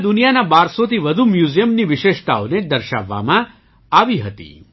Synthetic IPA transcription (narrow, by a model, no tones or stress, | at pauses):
d̪unijanabaɾsot̪ʰiʋəd̪ʱumjuzijəmniʋɪʃeʃt̪aoned̪əɾʃa̰ʋːa̰mã | aʋiɦət̪ḭ